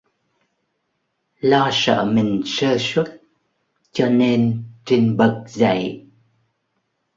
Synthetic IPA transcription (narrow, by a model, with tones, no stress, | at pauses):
lɔ˧sə̰ː˧˩mï˨˩ŋ̟səː˧swə˦˥t̚ | t͡ɕɔ˧ne˧nt͡ɕi˧ŋɓə˨˩k̚za̰˧˨j